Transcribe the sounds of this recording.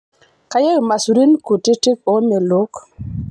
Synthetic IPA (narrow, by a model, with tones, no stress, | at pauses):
ka˦je˦˨ma˨su˨ɾi˦nku˨ti˦ti˦ko˦me˨lo˦k